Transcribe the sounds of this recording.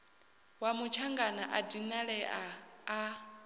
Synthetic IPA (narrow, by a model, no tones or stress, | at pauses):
wamut͡ʃʰaŋɡanaʔadinaɺɛʔaː